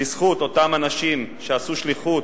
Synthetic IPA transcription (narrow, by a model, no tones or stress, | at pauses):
isχut̪o̞t̪amanaʃimʃeasuʃliχut